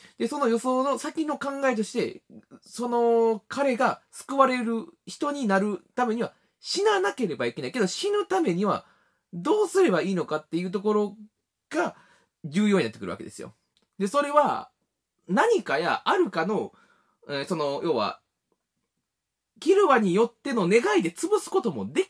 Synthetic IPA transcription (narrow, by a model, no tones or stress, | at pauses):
d̪e̞so̞no̞jo̞so̞no̞sakʲino̞kãŋɡae̞t̪o̞ɕi̥t̪e̞̰so̞no̞kʰaɾe̞ɡasɨ̥kɯ̟βaɾe̞ɾɯ̟çi̥t̪o̞ɲ̟inaɾɯ̟t̪ame̞ɲ̟iβa | ɕinanake̞ɾe̞baike̞naike̞d̪o̞ɕinɯ̟t̪ame̞ɲ̟iβa̰ | d̪o̞ːsɨɾe̞baiːno̞kat̪ːe̞jɯ̟ːt̪̬o̞ko̞ɾo̞ | ɡ̥a | d͡ʑɨːjo̞ːɲinat̪ːkɯɾɯ̰βa̰kḛe̞sɨjo̞̰ | d̪e̞so̞ɾe̞βa | naɲ̟ikaja̰ʔaɾɯ̟kanõ̞ | so̞no̞jʔo̞ːβa̰ | kʲiɾɯ̟βaɲ̟ijo̞t̪ːe̞no̞ne̞ɡaid̪e̞t͡sɨbɯ̟sɨ̥ko̞t̪o̞mo̞d̪e̞